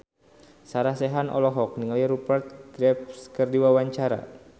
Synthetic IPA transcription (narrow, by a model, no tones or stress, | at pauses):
saɾasɛɦanʔɔ̰lɔɦɔk̚niŋaliɾupərt̪̚ɡɾɛp̚skərdiwawaɲt͡ʃaɾa̰